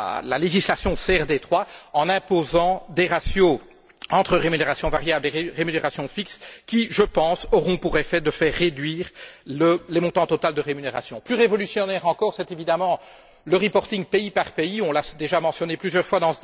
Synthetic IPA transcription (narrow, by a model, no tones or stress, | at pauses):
la̰leʒislasjɔ̃seɛʁd̪et̪χwaɑ̃nɛ̃pozɑ̃d̪eʁasjo | ɑ̃t̪χəʁemyneʁasjɔ̃vaʁjableeʁemyneʁasjɔ̃fikskʲiʒəpɑ̃sɔʁɔ̃puʁefɛd̪əfɛːʁːed̪ɥiːʁləlemɔ̃t̪ɑ̃t̪ɔt̪ald̪əʁemyneʁa̰sjɔ̃plyʁevɔlysjɔnɛʁɑ̃kɔʁsɛt̪evid̪amɑ̃ | ləʁipɔʁt̪iŋpeipaʁpeiɔ̃lad̪eʒamɑ̃sjɔneplyzjœʁfwad̪ɑ̃